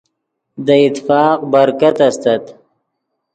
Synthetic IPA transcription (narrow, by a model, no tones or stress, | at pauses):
d̪əɪt̪ːɪfɑːqbaɾkat̪ast̪at̪